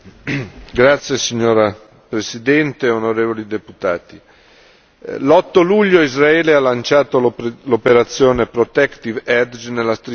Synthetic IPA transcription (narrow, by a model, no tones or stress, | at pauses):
ɡɾat̪sːjesiɲːoːɾa | pɾesid̪ɛnt̪eonoɾeːvolid̪eput̪aːt̪i | lɔt̪ːoluʎːoizɾaɛːlealant͡ʃaːt̪olopeɾat̪sːjoːnepɾot̪ɛkt̪ivɛd̪d͡ʒnelːast̪ɾi